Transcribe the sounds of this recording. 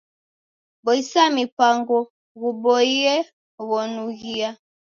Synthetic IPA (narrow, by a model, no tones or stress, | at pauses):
bɔisamipaŋɡɔ | ɣubɔiɛ | wɔnuɣia